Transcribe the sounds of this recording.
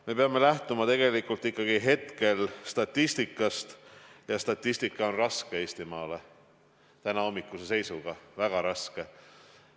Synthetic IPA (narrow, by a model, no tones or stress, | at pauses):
me̞pe̞ɑme̞læht̪umɑt̪e̞ɡ̥e̞likult̪ˑːikˑːɑɡ̥iɦe̞t̪ke̞lst̪ɑt̪ʲːist̪ikːˑɑst̪jɑst̪ɑt̪ˑːist̪ikˑːɑo̞nrɑskee̞ːst̪imɑːle | t̪ænɑo̞mːikːˑusese̞jsuɡ̥ɑvæɡ̥ɑɾɑske